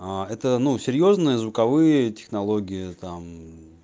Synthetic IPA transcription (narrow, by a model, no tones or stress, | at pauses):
aɛt̪ənusʲɪɾʲjo̞znɨjəzvʊkɐvɨjətʲɪ̥xnɐlˠo̞ɡʲɪjət̪am